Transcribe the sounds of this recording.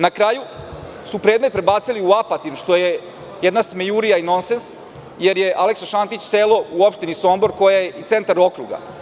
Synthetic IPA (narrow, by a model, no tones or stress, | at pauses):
nakɾaːju | supɾe̞ːd̪met̪̚pɾe̞baːt̪siliuapat̪inʃt̪o̞je | jed̪nasmejuɾijaino̞nsens | je̞ɾjeʔaleksoʃant̪it͡ɕseːlo̞uopʃt̪inisombo̞ɾko̞jajeʔit̪se̞nt̪aɾo̞kɾuɡa̰